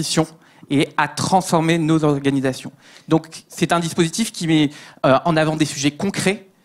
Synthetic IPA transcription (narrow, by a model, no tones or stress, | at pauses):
isjɔ̃ | eat̪χɑ̃sfɔʁmenozɔʁɡanizasjɔ̃ | d̪ɔ̃ksɛt̪ɛ̃d̪ispozit̪ifkʲimɛøɑ̃navɑ̃d̪esyʒɛkɔ̃kχɛ